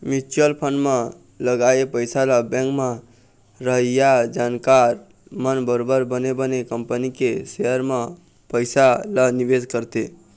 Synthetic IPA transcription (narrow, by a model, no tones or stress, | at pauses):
mit͡ʃəlpʰənɖmã | ləɡaepəjsalabɛ̃ŋkmã | ɾəɦəjad͡ʒaːnkaɾ | mənbəɾobəɾbənebənekəmpənikesejəɾmã | pəɪsalaniʋed͡ʒkəɾt̪e